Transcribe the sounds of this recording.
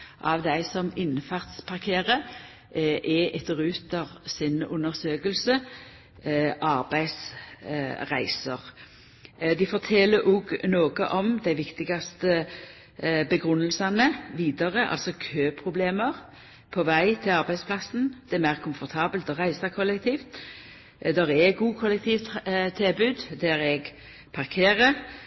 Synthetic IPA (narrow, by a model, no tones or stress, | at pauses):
ʔɑʋd̪æɪsɔmɪnfæʁt̪spʰɑʁkʰeːʁə | ʔʔɛʔɛt̪əʁʉːt̪ɑʋsɪnʉ̰nəʁsøːkəlsə | ʔɑʁbæɪs | ʁæɪsəʁ | d̪ɪfɔʁt̪ʰɛlːəɾʔuːɡnoːɡə̰ʔɔmd̪æɪʋɪkt̪ɪɡɑst̪ə | bəɡʁʉnːəlsɑnəʋiːd̪ɑʁəʔɑ̰lsɔkʰøːpʰʁʊbleːməʁ | pʰɔʋæɪt̪ʰɪlɑɾbæɪspʰlɑsn̩d̪̥ɛɛmæɪʁkʰʊmfɔɾt̪ʰɑːbəlt̪ɔʁæɪsɑkʰɔlːɛk̚t̪ʰiːft̪ | d̪ɛʁɛɡuːkʰɔlɛk̚t̪ʰiːʋt̪t̪ʰːɪlbʉːd̪d̪æɾɛɡ | pʰɑʁkʰeːʁə